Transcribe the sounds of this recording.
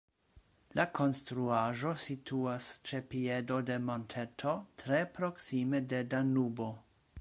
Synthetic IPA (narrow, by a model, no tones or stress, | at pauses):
lakʰo̞nstɾuaʒositʰuast͡ʃe̞piedo̞de̞montʰetʰo̞tɾe̞pɾoksime̞de̞danubo